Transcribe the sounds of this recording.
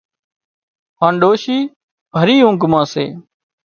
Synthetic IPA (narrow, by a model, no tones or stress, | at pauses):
hãːnɖoːʃiː | bʱəɾiːɦʊ̃ŋɡmãːsḛː